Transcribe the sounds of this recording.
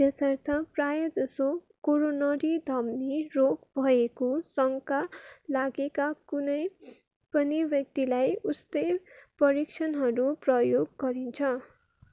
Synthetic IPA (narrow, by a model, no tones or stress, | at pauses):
t̪esʌrt̪ʰʌprajʌd͡zʌso | koɾonʌɾid̪ʱʌmniroɡbʱʌekosʌŋkalaɡekakunʌj | pʌnibjʌk̚t̪ilajust̪ʌjpʌɾikt͡ʃʰʌnɦʌɾuprʌjoɡːʌɾint͡sʰʌ